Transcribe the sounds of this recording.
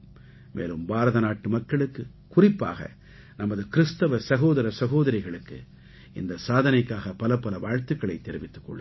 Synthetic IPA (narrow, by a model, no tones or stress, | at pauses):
mʔḛːlɯmbaːɾɐðɐnaːʈːɯmɐkːɐɭɯkːɯ | kʊrɪpːa̰ːɣɐ̰ | nɐmɐðɯkɪɾɯst̪ɐʋɐsɐɣoːðɐɾɐsɐɣoːðɐɾɪɣɐɭɯkːɯ̰ | ɪnd̪ɐsaːðɐnɐɪkːaːɣɐpɐlɐpːɐlɐʋaːɻt̪ɯkːɐɭɐɪt̪ːɛɾɪʋɪt̪ːɯ̥kːɔ̰ɭːɯ